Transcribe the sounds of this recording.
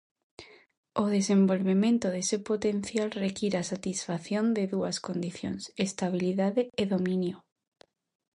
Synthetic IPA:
oðesembolβemẽnt̪oðesepot̪en̟θjalrekiɾasat̪isfaθjond̪eðuaskond̪iθjo̰nsest̪aβ̞iliðaðeːðomĩnjo

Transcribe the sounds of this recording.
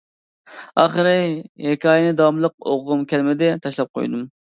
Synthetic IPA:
ɑ̰χəɾɨhekʲʰɑːjɪnɪd̪ɑmlˠəq̚o̰ʁːʊmkʲʰɛlmɪd̪ɪt̪ʰɑʃlˠɑp̚qʰo̰jd̪um

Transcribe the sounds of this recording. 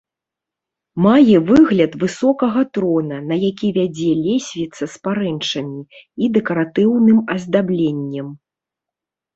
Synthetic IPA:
majɛvɨɣlʲɐt̪vɨsɔkɐɣɐt̪ɾɔnɐnɐjakʲivʲad͡zʲɛlʲesʲvʲit̪sɐspaɾɛnt͡ʂɐmʲiid̪ɛkɐɾat̪ɨwnɨmɐzd̪ablʲenʲːɛm

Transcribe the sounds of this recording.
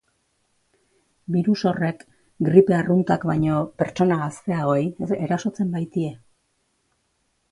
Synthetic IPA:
biɾuso̞re̞k | ɡɾipe̞arunt̪akbajɲo̞pe̞ɾt͡ʃo̞naɣast̪e̞ao̞ejeɾaso̞t͡se̞mbajt̪ie̞

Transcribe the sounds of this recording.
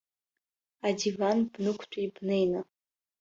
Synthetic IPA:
adivanb̥nɨkʷʰt͡ʃʷʰʼibnejna

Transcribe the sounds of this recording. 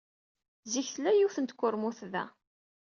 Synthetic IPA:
ziçθlæjuθənt̪kʷːʊɾmuθðæ̰

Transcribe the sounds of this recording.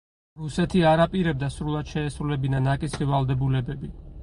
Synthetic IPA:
ɾusɛt̪ʰiaɾapʼiɾɛb̚d̪asɾulˠad̪̥ʃɛːsɾulɛbinanakʼisχivalˠd̪ɛbulɛbɛbi

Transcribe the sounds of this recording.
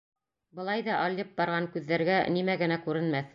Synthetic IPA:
bɤ̆lˠɑjðɑʔolʲːɤp̚bɑɾʁɑŋkʉðːæɾɡænimæɡɘ̆nækʉɾɘ̆nmæθ

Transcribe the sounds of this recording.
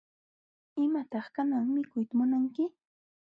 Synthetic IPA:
ɪmat̪ɑχkanaŋmɪkʊjt̪amʊnaŋkɪ

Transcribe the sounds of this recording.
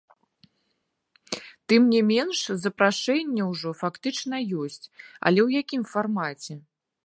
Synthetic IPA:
t̪ɨmnʲɛmʲɛnʂzɐpɾaʂɛnʲːɛwʐɔfakt̪ɨt͡ʂn̪ɐjɔsʲt͡sʲɐ̰lʲɛwjakʲimfarmat͡sʲɛ

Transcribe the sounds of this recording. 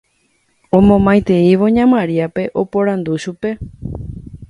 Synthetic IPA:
õmõ̞mãj̃t̪e̞iʋo̞ɲãmãɾiape̞ʔo̞po̞ɾand̪uʃupe̞

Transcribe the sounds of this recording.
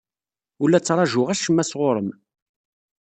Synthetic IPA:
ʊlːæt͡sːɾˤɑʒʊʁæʃəmːæsʁoɾˤəm

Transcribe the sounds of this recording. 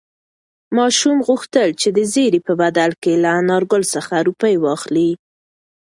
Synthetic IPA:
mɑʃumɣuxt̪əlt͡ʃed̪əzeɾipəbad̪alkelaːnɑɾɡʊlsəxaɾupəjwɑxli

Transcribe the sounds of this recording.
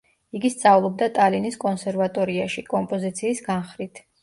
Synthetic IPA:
iɡist̪sʼavlˠɔb̚d̪at̪ʼaliniskʼɔnsɛɾvat̪ʼɔɾiaʃikʼɔmpʼɔzit̪sʰiːsɡanχɾit̪ʰ

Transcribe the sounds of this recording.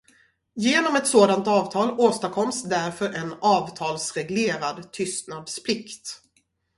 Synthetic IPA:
jeːnɔmɛt̪soːd̪ant̪ɑːvt̪ʰɑːloːst̪akʰɔmsd̪æɾfœɾʔɛnɑːvt̪ʰɑːlsɾɛɡleːɾad̪t̪ʰʏst̪nad̪spʰlɪkt̪

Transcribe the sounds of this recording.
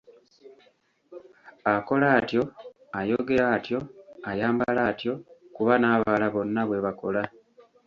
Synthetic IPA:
ako̞laːtjo̞ | ajo̞ɡe̞ɾaːtjo̞ajaːmbalaːtjo̞kuβanaːβalaβo̞nːaβwe̞βako̞la

